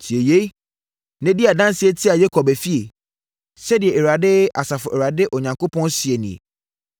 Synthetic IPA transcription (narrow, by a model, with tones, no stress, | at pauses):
t͡ɕʰi˨e˨je˦ | nɛ̃˦di˦a˨dã˦n˦sɪ˦ɛ˦tʰi˦a˨jɛ˦kʰɔ˨bæ˨fi˦e˨ | sɛ˦dɪ˨ɛ˨e˨ɾa˨dɪ˦a̰˨sa˨fʊ˨ʔɛ˨wɾa˨dɪ˦ʔɔ˨ɲã˨ŋkʰo˦pʰɔ̃˦n˦sɪ˨e˨nĩ˨ḛ˨